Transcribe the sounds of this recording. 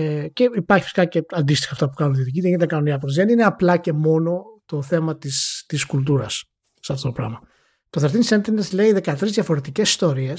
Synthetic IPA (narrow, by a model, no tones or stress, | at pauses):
ece̞ipɐɾçi̥fi̥si̥kɐce̞ɐnd̪ist̪i̥xɐft̪ɐpu̥kɐnunt̪iðic̬it̪init̪ɐkɐnuniɐpzðenineɐplɐce̞mo̞no̞t̪o̞θe̞mɐt̪ist̪iskult̪̬uɾɐsː | ɐft̪ot̪o̞pɾɐ̰mɐ | t̪oθeɾt̪insent̪inesle̞iðe̞kɐt̪ɾizðʝɐfo̞ɾe̞t̪icesi̥st̪o̞ɾies